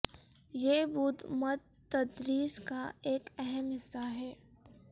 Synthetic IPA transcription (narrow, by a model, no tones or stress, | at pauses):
jebuːd̪məd̪ | t̪ɐd̪ɾiːskaeːkɛɦɛmɦɪsːaɦɛː